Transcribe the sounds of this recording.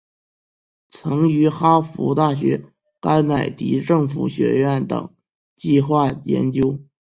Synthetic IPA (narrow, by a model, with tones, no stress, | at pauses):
t͡sʰɤ˧˥ŋy˧˥xa˥fṵ˧˥t̪a˥˩ɕ̬ɥɛ˧˥ | ka˥ɪna˨˩ɪt̪ḭ˧˥ʈ͡ʂɤ˥˩ŋfṵ˨˩ɕɥɛ̰˧˥ɥɛ˥˩nt̪ɤ̰˨˩˦ŋ | t͡ɕi˥˧xwa˥˩jɛ̰˧˥nt͡ɕjo˥ʊ